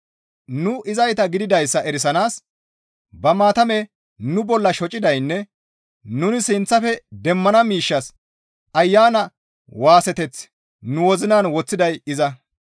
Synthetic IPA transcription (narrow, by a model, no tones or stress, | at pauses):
nʊʔɪzɐjt̪ɐɡɪd̪ɪd̪ɐjsːɐʔɛɾɪs̬ɐnaːs | bɐmaːt̪ɐmɛ | nʊbɔlːɐʃɔt͡ʃʼːɪd̪ɐjnːɛ | nʊnɪsɪnt͡sːɐfɛd̪ɛmːɐnɐmiːʃːɐs | ɐjːaːnɐ | waːsɛt̪ɛt͡s | nʊwɔzɪnaːnwɔt͡sːɪd̪ɐjɪzɐ